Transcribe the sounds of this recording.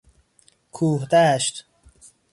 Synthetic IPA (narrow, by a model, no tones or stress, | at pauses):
kʰuːhd̪aːʃt̪